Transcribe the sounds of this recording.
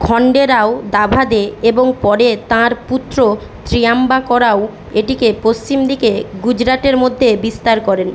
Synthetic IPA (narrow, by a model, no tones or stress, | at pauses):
kʰɔɳɖeɾaod̪abʱad̪eeboŋpɔɾet̪ãɾput̪ːɾo | t̪ɾiambakɔɾao | eʈikepost͡ɕimd̪ikeɡud͡ʑɾaʈeɾmod̪ʱːebist̪aɾkɔɾen